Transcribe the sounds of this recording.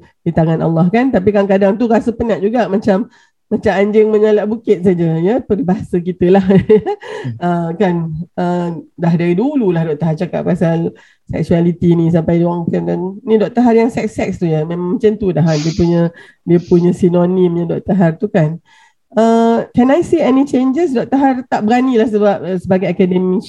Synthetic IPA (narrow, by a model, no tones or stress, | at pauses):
dit̪aŋanʔa̰lːɑhkant̪ap̬ikaŋkadaŋt̪urasəpənaʔ̚d͡ʒuɡaʔmat͡ʃamː | ãt͡ʃamaɲd͡ʒɪŋmə̃ɲalaʔbukɪt̪̚sad͡ʒəjəpərbaɦasəkit̪əlahjəəkanʔədaɦdaɾidululahdɔʔt̪aɦart͡ʃaka̰ʔ̚pasal | sɛ̰k̚sualit̪inĩs̬ampajdiwaŋt̪ɛmkannĩdɔʔ̚t̪əɦarjaŋsɛk̚sɛkst̪uɲəmemãŋmət͡ʃənt̪udaɦandiəpuɲə̃ | diəpuɲə̃sinonĩmjadɔʔ̚t̪əɦart̪ukan | əkanajsiɛnit͡ʃend͡ʒəsdɔʔ̚t̪əɦart̪aʔbəɾanilahsəbap̚səbaɡajakademi